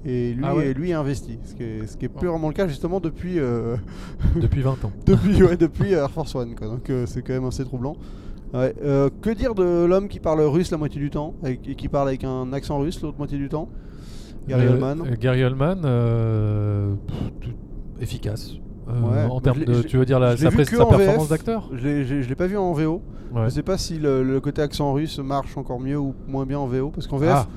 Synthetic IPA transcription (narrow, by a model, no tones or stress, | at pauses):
elɥiɛlɥiɛɛ̃vɛst̪isə̥kʲɛsə̥kʲiɛyvʁɛmɑ̃ləkaʒyst̪əmɑ̃d̪əpɥiø | əpɥivɛ̃t̪ɑ̃d̪̥əpɥiwɛd̪əpɥiøɛʁfɔʁswankwad̪ɔ̃køsɛkɑ̃mɛmaset̪χublɑ̃ | wɛøkəd̪iʁd̪əlɔmkʲipaʁləʁyslamwat̪jed̪yt̪ɑ̃ɛekʲipaʁlavɛkɛ̃naksɑ̃ʁyslot̪χmwat̪jed̪yt̪ɑ̃ | ɡɡaʁiɔlmanɡaʁiɔlmanø | t̪u | efikʲas | øwɛɑ̃tmɛʁmd̪ʒət̪yvød̪iʁlaʒəlɛvyekəaɑ̃pɛʁvefɔɛmɑ̃sd̪ak̚t̪œːʁʒəleʒəeʒəlepavyɑ̃veo | wɛʒəsɛpasilələkot̪eaksɑ̃ʁysmaʁʃɑ̃kɔʁmjøumwɛ̃bjɛ̃ɑ̃veopaʁsə̥kɑ̃veɛf